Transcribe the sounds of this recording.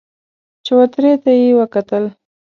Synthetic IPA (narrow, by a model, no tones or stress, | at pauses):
t͡ʃɪwat̪ɾet̪ajewəkat̪əl